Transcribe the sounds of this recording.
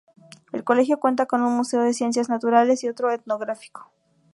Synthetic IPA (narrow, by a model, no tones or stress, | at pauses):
e̞̰lko̞le̞xjo̞kwe̞nt̪ako̞nunmuse̞o̞ð̞e̞sje̞ns̬jaznat̪uɾale̞sio̞t̪ɾo̞et̪no̞ɣɾafi̥ko̥